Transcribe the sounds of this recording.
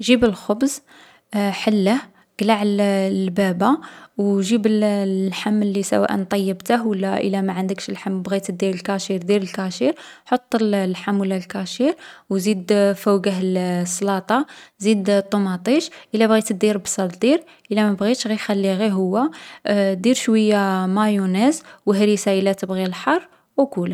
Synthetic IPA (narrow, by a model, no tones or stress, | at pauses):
ʒibəlxobz | ħəlːəh | ɡ̥laʕllbæbawʒibəllħamːəlːisæ̰wæ̰ʔə̰nt̪ˤɑjːəbt̪əɦwəlːæʔə̰læmaʕand̪əkʃəlħamːbɣit̪d̪iɾəlkɑʃiɾd̪iɾəlkɑʃiɾħot̪ˤːəllħamːwəlːælkæʃiɾwzid̪fəwɡəɦlsːlɑt̪ˤɑzid̪t̪ˤːomɑt̪ˤiʃʔəlːæbɣit̪d̪ːiɾbsˤɑld̪iɾ | ʔəlːæmæbɣit̪ʃɣixælːiɣiɦʊwːæ | d̪iɾʃwəjːamæjunæzwəɦɾisaəlæt̪əbɣilħɑrˤː | wkulə